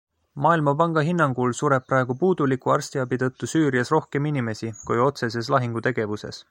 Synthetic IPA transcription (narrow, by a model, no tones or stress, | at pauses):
mɑːilmɑpɑŋɡ̥ɑɦinːɑŋɡ̥ulsuɾe̞p̚pːɾɑe̞ɡ̥upuːd̪̥ulikˑuɑrst̪iɑbit̪ɤ̞t̪ːusyːɾiɑsro̞hke̞minime̞sikujo̞t̪se̞s̬e̞s̬lɑɦiŋɡ̥ut̪e̞ɡ̥e̞vuse̞̰s